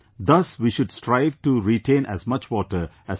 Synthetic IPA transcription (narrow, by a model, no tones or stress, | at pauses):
d̪ʌsʋiːʃʊɖsʈɾaɪʋʈuɾiʈẽːnʔæ̰zmʌt͡ʃʋɔːʈəɾ | æ